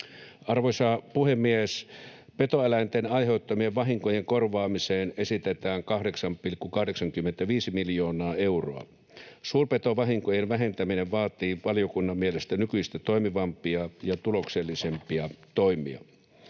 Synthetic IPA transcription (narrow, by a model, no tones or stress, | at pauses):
ʔɑrʋosɑːpuhemːies | pe̞t̪oelæint̪enɑjɦe̞ut̪ːɑmieʋʋɑɦiŋkojeŋkorʋɑːmiseːne̞sit̪et̪æːŋkɑhdeksɑmpilkːukɑhdeksɑŋkymːent̪æʋiːsimiljo̞ːnɑːe̞uro̰ɑ̰ | suːrpet̪oʋɑɦiŋkojenʋæɦent̪æmineʋʋɑːt̪iːʋɑlijokunːɑmːielest̪ænykyist̪æt̪o̞imiʋɑmpiɑjɑt̪ulokselːisempiɑt̪oimˑḭɑ̰